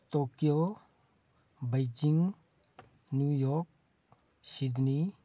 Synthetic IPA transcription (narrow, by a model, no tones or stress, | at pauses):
t̪okijo | bɐjd͡ʒiŋ | njujɔk̚ | sid̪ni